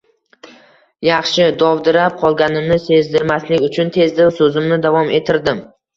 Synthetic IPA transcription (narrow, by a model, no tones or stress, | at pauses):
jɑχʃɪd̪ɒvd̪ɪɾap̚qʰɒlˠɡʲanɪmnɪse̞zd̪ɪɾmaslɪkʲʊt͡ʃʰʊnt̪ʰe̞zd̪ɪwsɵzɪmnɪd̪avɒme̞t̪ʰɪɾd̪ɪm